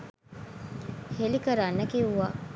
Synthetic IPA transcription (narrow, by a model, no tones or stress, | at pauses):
helikɐɾaːnːɐkeuʋaː